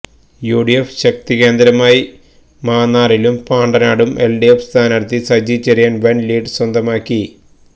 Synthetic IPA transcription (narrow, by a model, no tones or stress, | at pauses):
juːɽijefɕɐk̚t̪ike̞ːnd̪ɾɐmaːji | maːnːaːrilumpaːɳɖɐnaːɽumelɖiefst̪ʰaːnɐɽt̪ːisɐd͡ʑit͡ɕːɐɾijaːnʋɐnliːɖswɐnd̪ɐmaːkʲːi